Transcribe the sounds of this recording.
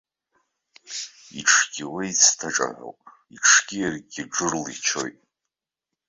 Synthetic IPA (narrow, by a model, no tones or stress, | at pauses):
iʈ͡ʂʰɡʲɪweit͡sʰtʰaʈ͡ʂʼa̰ʕʷo̰wpʼ | iʈ͡ʂʰɡ̥ʲijarɡʲɪʈ͡ʂɨrlit͡ʃʰo̞̰jtʼ